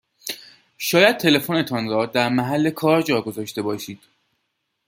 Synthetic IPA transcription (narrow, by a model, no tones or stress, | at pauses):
ʃɒːjæd̪̥̚t̪ʰe̞le̞fone̞t̪ʰɒnɾɒːd̪æɾmæɦælːe̞kʰɒːɾd͡ʒɒːɡozɒːʃt̪e̞bɒːʃiːd̪̥